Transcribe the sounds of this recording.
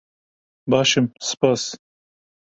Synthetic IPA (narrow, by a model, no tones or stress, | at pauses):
bɑːʃɪmspas